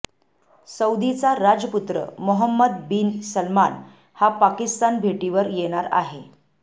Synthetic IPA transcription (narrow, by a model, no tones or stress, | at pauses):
səwd̪it͡saɾad͡ʑəput̪ɾə̰moɦəmːəd̪̚biːnsəlma̰n | hapakist̪anbʱeʈiʋəɾjeɽ̃aɾa̰ɦe